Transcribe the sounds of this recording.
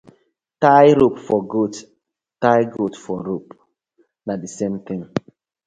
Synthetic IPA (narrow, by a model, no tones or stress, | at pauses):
tajɾopfɔɡot | tajɡotfɔɾop | nadisemt̪ɪ̃ŋ